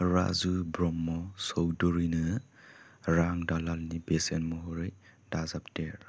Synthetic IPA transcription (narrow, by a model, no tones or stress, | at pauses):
ɾa̰zubɾɔmːɔsowdɔɾinɯ | ɾaŋdalalnibesenmɔɦɔɾɯj | d̥azapteɾ